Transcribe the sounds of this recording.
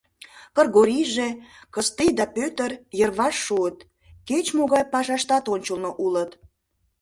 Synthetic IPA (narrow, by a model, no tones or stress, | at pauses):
kə̆rɣoɾʲiʒekəst̪ijd̪ɑpøt̪ərjərβɑʃːuət̪ | ket͡ɕmoɣɑjpɑʃɑʃt̪ɑt̪onʲt͡ɕəlnoʔulət̪